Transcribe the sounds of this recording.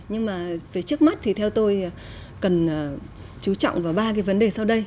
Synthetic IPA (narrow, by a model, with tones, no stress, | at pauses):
ɲɨ˧ŋmaː˨˩veː˨˩t͡ɕɨ˦˥ək̚ma˦˥t̚t̪ʰi˨˩t̪ʰɛ˧wt̪o˧j | kə˨˩nː˨˩˨ | t͡ɕu˨˦t͡ɕɔ̰˧˨wŋ͡mvaː˨˩wɓaː˧kaː˨˦jvə˨˦nɗe˨˩sa˧wɗə˧j